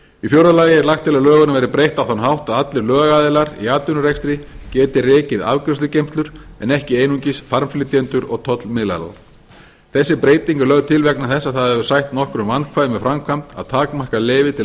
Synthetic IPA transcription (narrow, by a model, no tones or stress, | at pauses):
ifjowɾalajɪɛɾlaxt̪ʰɪlalœːɣʏnavɛɾɪpɾejht̪awθanɦawht̪aðat̪lɪɾlœːɣɣaːðɪlaɾḭaːt̪ʏnʏɾɛkst̪ɾɪcɛːt̪ɪrɪːcɪða̰vkɾɛst̪ʏcejmst̪lʏɾ̥ɛ̰nɛhcɪejnuɲcɪsfaɾmflɪt̪jɛnt̪ʏɾɔɣt̪ʰɔt̪lmɪðla̰la̰ | θɛsːɪpɾeːjt̪iŋkalœɣðt̪ʰɪlvɛknaθɛsːaθaðɛvʏ̥sajçt̪nɔhkɾʏmvanːkʰvaːðɪmɛðfɾamkʰvam̥t̪a̰ðt̪ʰaːkmar̥kalɪːvɪt̪ʰɪ